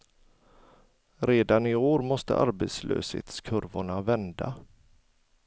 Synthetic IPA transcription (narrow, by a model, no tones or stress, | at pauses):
ɾeːd̪anɪoːɾmɔst̪ə̰ʔa̰ɾbet̪slʔø̰ːshḛːt̪skʰɵɾvʊɳavɛnd̪a